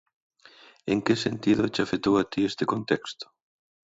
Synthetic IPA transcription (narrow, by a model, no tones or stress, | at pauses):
eŋkɪsent̪iðʊt͡ʃafet̪owat̪iest̪ɪkont̪ɛkst̪ʊ̥